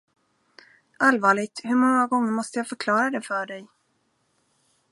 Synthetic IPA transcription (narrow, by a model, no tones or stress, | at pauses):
ʔalvɑːɭɪɡ̚t̪hɵɾmɔŋːaɡɔŋːəɾmɔst̪əjaːfœɾkʰlɑːɾad̪ɛfœɖɛj